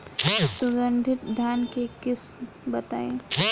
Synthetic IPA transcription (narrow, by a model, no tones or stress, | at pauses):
sʊɡə̃ɳɖʱɪt̪d̪ʱjaːnkekɪs | bɐt̪aːeː